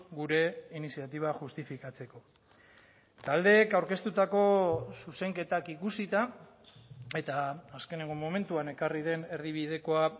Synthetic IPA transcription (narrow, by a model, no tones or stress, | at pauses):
ɡuɾe̞inisiat̪iβ̞aʝust̪ifikat͡se̞ko̞ | t̪ald̪e̞ːkawɾke̞st̪ut̪ako̞suse̞ŋke̞t̪akikusit̪a | e̞t̪aːske̞neŋɡomo̞me̞nt̪uane̞kariðe̞ne̞ɾðiβ̞ið̞e̞ko̞a